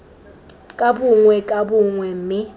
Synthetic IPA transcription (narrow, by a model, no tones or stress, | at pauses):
kʼabʊŋwɛkʼabʊŋwɛm̩mɪ